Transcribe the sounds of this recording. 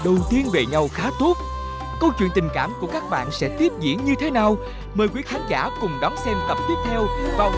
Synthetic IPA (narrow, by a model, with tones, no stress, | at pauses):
ɗə˨˩wt̪i˧ənve˨˩ɲa˧wxaː˨˦t̪ʰu˦˥t̚ | kə˧wt͡ɕwḭ˧ənt̪ï˨˩ŋ̟kaː˧˩mku˧˩əkaː˦˥k̚ɓa̰ː˧˨nsɛ̰˧˥t̪i˦˥əp̚zḭ˧˩ənɲɨ˧t̪ʰe˨˦naː˨˩w | məː˨˩jkwi˨˦˥xʰa˨˦ŋ̟zaː˧˩kʊ˨˩ŋ͡mɗɔ˨˦nsɛ˧mt̪ə˨˩p̚t̪i˦˥əp̚t̪ʰɛ˧wvaː˨˩